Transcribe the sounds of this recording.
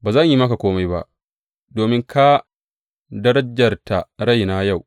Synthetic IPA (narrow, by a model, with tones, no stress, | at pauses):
baː˨zɐ˦˨ɲji˦mɐ˦ka˨kʷoː˦ma˦jba̰˦ʔ | doː˨mɪ˦ŋkʰa˦ | dɐ˦ɾɐ˦d͡ʒɐ˨rta˨ɽa˦˨jna˦ja˦˨w